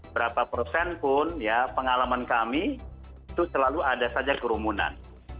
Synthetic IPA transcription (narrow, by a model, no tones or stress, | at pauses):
bəɾapapərsɛnpʊnjapəŋalamankami | t̪usəlaluadasad͡ʒakəɾumuna̰n